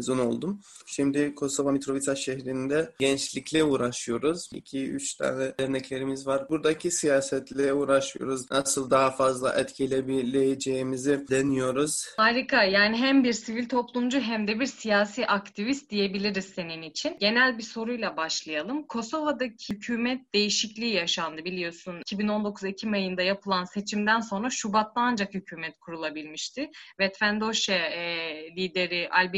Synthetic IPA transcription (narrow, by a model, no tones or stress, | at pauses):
zuno̞̰lˠd̪um | ʃimd̪ɪkʰo̞so̞vamit̪ɾo̞vit̪ʰaʃɛhɾind̪ɛɟɛnt͡ʃlʲicʰlʲɛuːɾaʃɯjo̞ɾuz̥ḭcʰiy̰t͡ʃt̪ʰa̰ːnɛɛɾnɛclʲe̞ɾimizvaɾbuɾd̪acʰisijaːsɛt̪lʲeɛuːɾaʃɯjo̰ɾuznʔasɯlˠd̪aɦafazlˠa̰ʔɛt̪cʰelʲebilʲejed͡ʒeimizid̪enijo̞ɾuz̥aɾikʰajaːniɦæmbiɾsivilʲt̪ʰo̞plˠumd͡ʒuɦæmd̪ɛbiɾsijaːsiːʔakt̪ʰivist̪̚d̪ije̞bilʲiɾiz̥se̞ninit͡ʃʰinɟe̞nælʲbiso̞ɾujlˠabaʃlˠajalˠɯmkʰo̞so̞vad̪acʰicʰyːmɛt̪̚d̪e̞jiʃiclʲiːjaʃand̪ɯbilʲijo̞sunicʰibino̞nd̪o̞kʰuzicʰimajɯnd̪ajapʰɯlˠanse̞t͡ʃʰimd̪ænso̞nɾaʃubat̪lːɯand͡ʒakhycʰyːmɛt̪kʰuɾulˠabilʲmiʃt̪ʰɪvɛt̪fænd̪o̞ʃɛ | lʲiːd̪e̞ɾiʔalʲb